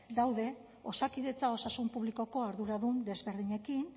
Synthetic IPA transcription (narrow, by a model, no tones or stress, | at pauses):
d̪awðe̞ | o̞sakiðe̞t͡sao̞sasumpuβliko̞ko̞aɾðuɾaðund̪e̞zβe̞ɾðiɲe̞kin